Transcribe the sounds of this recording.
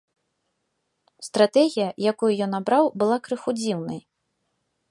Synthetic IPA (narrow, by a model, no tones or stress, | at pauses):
st̪ɾat̪ɛɣʲijɐjakujujɔnabɾawbɨlˠakɾɨxud͡zʲiwnɐj